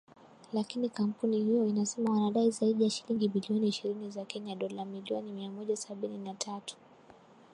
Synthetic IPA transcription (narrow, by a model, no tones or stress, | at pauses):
lakinikam̩punihijɔinasɛmawanaɗaizaiɗijaʃiliŋɡiɓiliɔniːʃiɾinizakɛɲaɗɔlamiliɔnimiamɔʄasaɓininatʰatu̥